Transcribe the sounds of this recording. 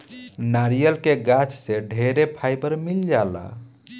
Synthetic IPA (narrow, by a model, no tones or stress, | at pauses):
naɾijəlkeɡat͡ʃseɖʱeɾepʰaɪjbəɾmild͡ʒala̰